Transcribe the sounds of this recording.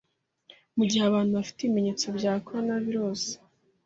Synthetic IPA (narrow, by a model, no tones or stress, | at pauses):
muɟihaβaːn̥huβafi̥teime̞ɲe̞ːt͡so̞bɟaːkoɾanaβiɾo̞ːze̥